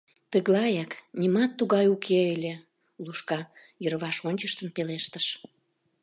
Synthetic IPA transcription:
t̪əɣlɑjɑknʲimɑt̪ːuɣɑjukʰeelʲe | luʃkɑ | jəɾβɑʃonʲt͡ɕəʃt̪ənpeleʃt̪əʃ

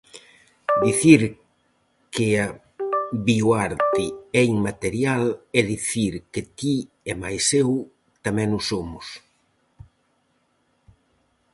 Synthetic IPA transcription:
d̪iθiɾ | kea | βiwaɾt̪iɛiŋmat̪eɾjalɛðiθiɾket̪i | ɛmajsew | t̪amɛ̃nʊsomʊs

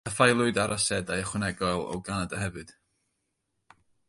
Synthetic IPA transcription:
əfajlˠʊɨdaɾasɛdajəχwənɛɡɔlˠɔ̰wɡanadəɦhɛvɨd̥

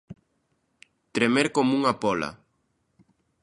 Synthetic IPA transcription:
t̪ɾemeɾkomuŋapɔla̰

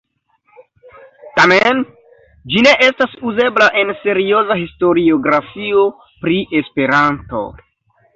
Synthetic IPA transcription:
tamen | d͡ʒine̞ʔe̞stasuze̞blaʔe̞nse̞ɾio̞zaɦisto̞ɾio̞ɡɾafio̞ | pɾiʔe̞spe̞ɾanto̞̰

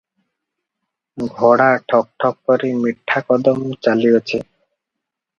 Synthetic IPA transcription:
ɡʱɔɽaʈʰɔk̚ʈʰɔk̚pɔɾimiʈʰːakɔd̪ɔmt͡ɕaliot͡ɕʰe

